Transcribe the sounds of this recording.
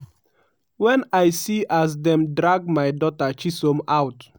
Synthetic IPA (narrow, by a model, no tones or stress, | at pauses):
wɛ̃najsiʔas̬dɛ̃mdɹaɡmajdɔtat͡ʃisõmawt